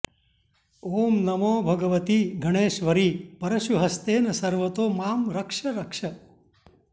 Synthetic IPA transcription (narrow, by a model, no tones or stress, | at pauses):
oːmnɐmoːbʱɐɡəʋət̪iɡʱəɽ̃eːʃʋəɾiːpɐɾəʃuɦəst̪enɐsəɾʋət̪oːmaːmɾəkʂɐɾəkʂɐ